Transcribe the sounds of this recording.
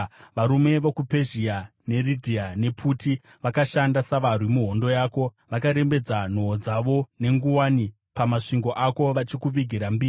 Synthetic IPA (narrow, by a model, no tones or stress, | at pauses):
ʋaɾume̞ʋokupe̞ʒiane̞ridʱianepʰuti | ʋakaʃandasaʋarwimuɦo̞ndo̞jaːko̞ | ʋakaɾe̞mbe̞d͡zan̤o̞ːd͡zaʋo̞ne̞ŋɡuwaːni | pamaʂiŋɡo̞ʔako̞ʋat͡ʃikuʋiɡʱiɾambiːri